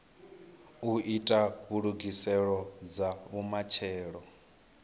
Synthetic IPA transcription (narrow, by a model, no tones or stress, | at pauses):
uitʼaβuɺuɡisɛɺɔd͡zaβumat͡ʃʰɛːɺɔ